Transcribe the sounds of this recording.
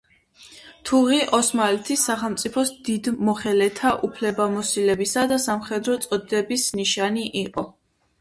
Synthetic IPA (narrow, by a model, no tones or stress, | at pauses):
t̪ʰuʁiʔɔsmalɛt̪ʰisːaχɛlˠmt̪sʼipʰɔsd̪id̪mɔχɛlɛt̪ʰaʔupʰlɛbamɔsilɛbisad̪asamχɛd̪ɾɔt̪sʼɔd̪ɛbisniʃaniʔiqʼɔ